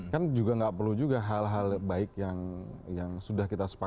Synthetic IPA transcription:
kand͡ʒuɡaŋɡaʔpərlud͡ʒuɡaɦalɦalbaɪkjaŋjaŋsudahkit̪asə̥pa

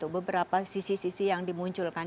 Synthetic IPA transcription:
t̪ʊk̚bəbəɾapasisisisijaŋdimuɲt͡ʃʊlkan

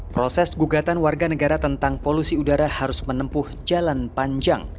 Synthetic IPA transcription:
pɾosɛsɡuɡat̪anwarɡanəɡaɾat̪ənt̪aŋpolusiudaɾahaɾʊsmənəmpʊhd͡ʒalanpaɲd͡ʒa̰ŋ

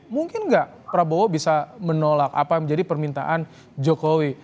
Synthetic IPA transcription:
muŋkɪnɡaʔ | pɾabowobisamənolaka̰paməɲd͡ʒadipərmint̪a̰ʔan | d͡ʒokowi

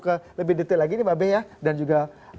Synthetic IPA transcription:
kələbɪhdət̪əlaɡinibabejadand͡ʒuɡa

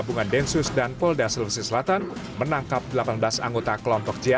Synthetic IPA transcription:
buŋandɛnsʊsdanpɔldasəlfisisəlat̪anmənaŋkap̚dəlapanblasa̰ŋɡot̪akəlɔmpɔk̚d͡ʒia

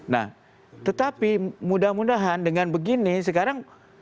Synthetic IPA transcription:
na̰h | t̪ət̪apimudahmudaɦandəŋanbəɡinis̬əkaɾaŋ

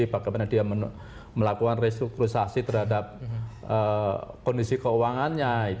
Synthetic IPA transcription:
ibaɡajmanadiamə | məlakukanrest̪ɾukɾusasit̪ərɦadap̚ | əkɔndisikəuwaŋanɲait̪

